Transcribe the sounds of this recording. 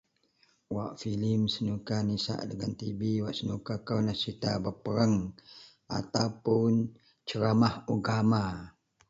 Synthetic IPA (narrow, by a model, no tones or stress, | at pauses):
waʔfilimsənukanisa̰ʔdəɡant̪ibiwaʔsənukakawnasit̪abəpəɾəŋ | ʔa̰t̪awpun | t͡ʃəɾamahuɡama